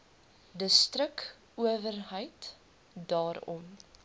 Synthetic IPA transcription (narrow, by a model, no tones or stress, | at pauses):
dəstrək | uəvərɦəjt | dɑːɾɔ̰m